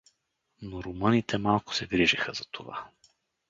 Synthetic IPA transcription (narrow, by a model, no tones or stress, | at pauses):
noɾomɤnit̪ʰɛmalˠkʊ̥sɛɡɾiʒixəzɐt̪ʰova̰